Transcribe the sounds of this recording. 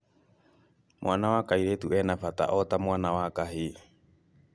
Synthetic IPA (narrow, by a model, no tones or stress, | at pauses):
mʔwanawakaiɾetuɛnafata̰ʔɔtamwanawakaɦi